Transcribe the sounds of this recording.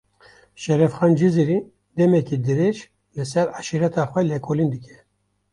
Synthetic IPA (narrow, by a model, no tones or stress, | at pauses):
ʃɛɾɛfxɑːnd͡ʒiziɾi | d̪ɛmɛkid̪ɨɾeʃ | lɨsɛɾɑʃiɾɛt̪ʰɑːxwɛlekʰoːlind̪ɨkʰʲɛ̥